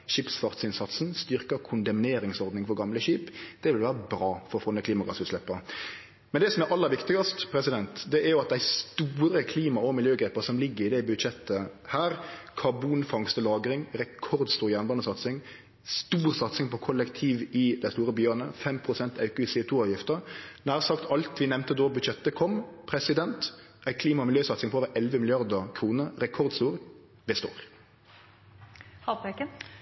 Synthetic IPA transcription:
ʃiːpsfɑʁt̪sɪnsɑt̪snst̪ʏɾkəkʰʊnd̪ɑmneːɾɪŋsɔʁd̪nɪŋfɔɾɡɑmləʃiːpd̪̥ɛʋɪlʋæːɾəbɾɑːfɔɾɔfɔnːəkʰliːmɑɡɑ̰sʉːt̪slɛpːɑ | mɛnd̪ɛsɔmæɾʔɑlːəɾʋɪkt̪ɪɡɑst̪pʰɾɛsɪd̪ɛnt̪d̪ɛʔæɾjʊɑt̪̚d̪æɪst̪uːɾəkʰliːmɑɔmɪljøːɡɾeːpːɑsɔmlɪɡːəɾɪd̪æɪbʉd̪ʃɛt̪ʰːəhæːɾkʰɑbuːnfɑŋst̪əlɑːɡɾɪŋɾɛkʰɔɾd̪st̪uːɾjænbɑnd̪əsɑt̪sɪŋ | st̪uːʁsɑt̪sɪŋpɔkʰɔlːəkt̪ʰiːʋɪd̪æɪst̪uːɾəbyʁənəfɛmpʰʁʊsɛnt̪ʰɑʉkʉsɛʊt̪ʰuːɑːʋjɪft̪əɾnæːʁsɑkt̪ʰɑlt̪ʋɪnɛmnt̪əd̪oːbʉd̪ʃɛt̪ːəkʰɔmpʰɾɛsɪd̪ɛnt̪ʔæɪkʰliːmɑmɪljøːsɑt̪sɪŋpɔoːʋəɾʔɛlʋəmɪlɪɑʁd̪əkʰɾuːnəɾɛkʰɔʁd̪st̪uːɾ | bəst̪o̰ːɾ | hɑpɛkə

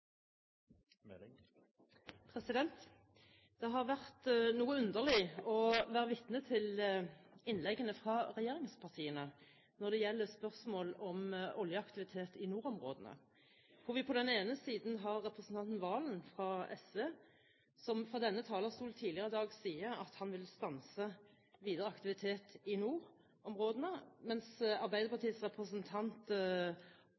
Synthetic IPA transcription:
pʰʁɛsɪd̪ɛnt̪ | d̪̥ɛɦɑʁʋæʁt̪nuːəʉnd̪əʁlɪɔʋæːʁəʋɪt̪nət̪ʰɪl | ɪnlɛɡːənəfʁɑːʁɛjeːʁɪŋspʰɑʁt̪ʰiːənə | nɔʁd̪ɛjɛlːəspœʁsmoːlɔmʔɔljəɑkt̪ɪʋɪt̪ʰeːt̪ɪnuːʁɔmʁo̰ːd̪ənə̰ | kʰɔʋɪpʰɔd̪ɛneːnəsiːd̪nɦɑʁːɛpɾəsnt̪ɑnt̪n̩ʋɑːlənfʁɑɛsʋeː | sɔmfʁɑd̪ɛnːət̪ʰɑːləsuːlt̪ʰiːlɪəʁəd̪ɑːɡsiːəɑt̪hɑnʋɪlst̪ɑnsə | ʋiːd̪əʁəɑkt̪ɪʋɪt̪ʰeːt̪ɪnuːʁ | ɔmʁoːd̪ənəmɛnsɑʁbæɪd̪əɾpʰɑʁt̪ʰiːsʁɛpʁəsənt̪ʰɑnt̪

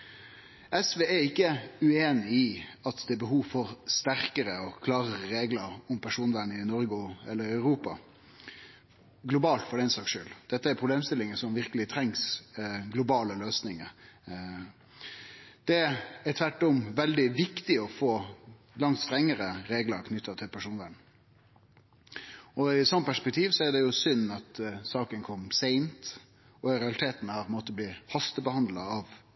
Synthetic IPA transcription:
ɛsʋeːæɾɪkːəʉeːnɪɪɑt̪d̪ɛːbəɦuːʋfɔɾst̪æɾkəɾəɔkʰlɑːʁəɾəɾeːɡləɾʊmpʰæʂuːnʋæɳəɪnɔɾɡʊɛ̰lːəɾœʉɾuːpɑ̰ | ɡlʊbɑːlt̪fɔɖɛɪnsɑːkʂø̰ːld̪̥ɛt̪ːəæɾpʰʁʊbleːmst̪ɪlːɪŋəsɔmʋɪɾkəlɪt̪ʰɾɛŋsɡlʊbɑːləløːsnɪŋə̰ɾ | d̪̥ɛɛt̪ʰʋæʈːɔmʋɛld̪ɪʋɪkt̪ɪɔfoː | lɑŋt̪st̪ɾɛŋːəɾəɾeːɡlɑɾkʰnʏt̪ːɑt̪ʰɪlpʰæʂuːnʋæn | ɔɪsɔmːəpʰæʂpɛk̚t̪ʰiːʋsɔæɾd̪ɛjʊsʏnːɑt̪sɑːkənkʰɔmːsæɪnt̪ | ɔɾɛɑlɪt̪ʰeːt̪nhɑːp̪ʰmoːt̪əblɪːhɑst̪əbəhɑnd̪lɑɑʋ

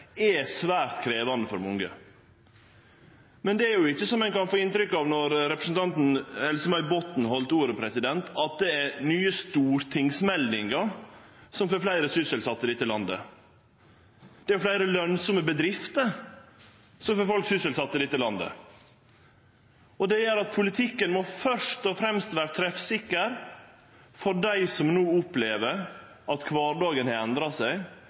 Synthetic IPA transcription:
ɛsʋæːɾt̪kʰɾeːʋɑnd̪əfɔɾmɔŋɡə | mɛnd̪ɛæɾjʊɪçːəsɔmɛɪnkɑnfoːɪnt̪ɾʏkːɑʋnɔɾɾɛpɾəsn̩t̪ʰɑnt̪n̩hɛlsəmɑʏbɔt̪n̩hɔlt̪uːɾəpʰɾɛsɪd̪ɛnt̪ʰɑt̪̚d̪ɛæɾnyːəst̪uːɾt̪ʰɪŋsmɛlnɪŋɡɑɾsɔmfɔɾflæɪɾəsʏsəlsɑt̪ːəɾɪt̪ːəlɑnd̪ə̰ | d̪̥ɛæɾflæɪɾəlœnsɔməbəd̪ɾɪft̪əɾ | sɔmfɔɾfɔlksʏsəlsɑt̪ːəɾɪt̪ːəlɑnd̪ə̰ | ɔd̪ɛjæɾɑt̪̚pʰʊlɪt̪ʰɪkːənmɔfœʂt̪ɔfɾɛmst̪ʋæːɾət̪ʰɾɛfsɪkːəɾ | fɔɖæɪsɔmnuːʊpleːʋəɾ | ɑt̪kʰʋɑːɾɖɑːɡənhɑːɛnd̪ɾɑsæɪ

